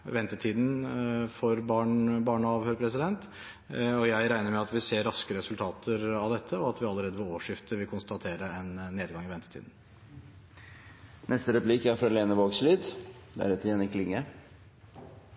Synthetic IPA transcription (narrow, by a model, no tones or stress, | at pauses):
ʋɛnt̪ət̪ʰiːd̪n̩fɔɾbɑɳbɑːɳəɑːʋhøːɾpʰɾɛs̬ɪd̪ɛnt̪ | ɔjæɪɾæɪnəɾmɛɑt̪ʋɪseːɾːɑskəɾɛsʉlt̪ʰɑːt̪ʰəɾɑʋd̪ɛt̪ʰːəɔɑt̪ʋɪɑlːəɾeːd̪əʋɪloːʂɪft̪əʋɪlkʰʊnst̪ɑt̪ʰeːɾəɛnːeːd̪ɡɑŋɪʋɛnt̪ə̥t̪ʰḭːd̪n̩ | nʔɛst̪əɾɛpliːkæɾfɾɑleːnəʋoːɡsliːd̪d̪æ̰ɾɛt̪əjɛnɪkʰlɪŋːə